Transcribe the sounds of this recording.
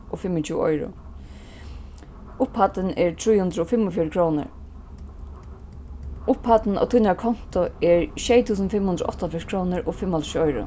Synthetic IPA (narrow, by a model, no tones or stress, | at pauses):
ɔfɪmɪt͡ɕʰuːɔ̰jɾʊ̰ | ʊphat̪ɪnɛɹt̪ʰɾujhʉnd̪ɾʊɔfɪmːɔfjɔːɾɪkʰɾoːnɪ̰ɹ | ʊphat̪na̰wt̪ʰujnaɹkʰɔn̥t̪ʊɛɹʃjɛjt̪ʰuːs̬ənfɪmhund̪ɾʊʔɔt̪afjɔʂkʰɾownɪɹʔɔfɪmːat̪ʃiɔjɾʊ̰